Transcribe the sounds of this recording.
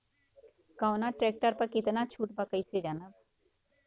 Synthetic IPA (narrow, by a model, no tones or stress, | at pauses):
kawnaʈɾɛːk̚ʈəɾpɐɾkɪt̪nat͡ʃʰuːʈ̚bakəised͡ʒaːnəb